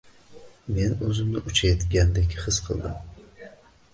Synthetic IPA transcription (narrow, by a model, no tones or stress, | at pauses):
menɵzɪmnɪʔʊt͡ʃʰajt̪ɡʲand̪ekʲʰχɨsqʰɨlˠd̪ɪ̰m